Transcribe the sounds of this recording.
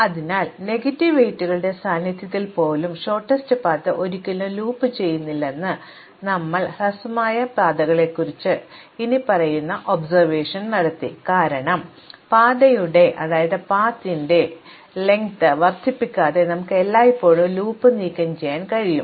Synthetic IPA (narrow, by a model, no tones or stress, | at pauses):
ɐðinaːlne̞ɡɐtːiʋeːtːuɣɐɭɨɽe̞saːnjit̪jɐt̪ːilpo̞ːlumʂo̞ːʈːɐstɨpaːt̪ːɐʔo̞ɾikʲːɐloluːpːɨt͡ɕe̞jːunːilːe̞nːɨ | nɐmːɐɭrɐsɐmaːjɐpaːd̪ɐɣɐɭe̞kːurit͡ɕːɨ | inipɐrɐjunːɐʔo̞bsɐrʋe̞ːʂɐnnɐɽɐt̪ːḭkaːɾɐɳɐm | paːd̪ɐjuɽe̞ʔɐðaːjɐðɨpaːt̪ːinde̞ | le̞ŋt̪ɨʋɐrt̪ʰːipːikʲːaːðe̞nɐmukːɨelːaːjipːo̞ːɭuluːpːɨniːkʲːɐmt͡ɕe̞jːaːnkɐɻijṵm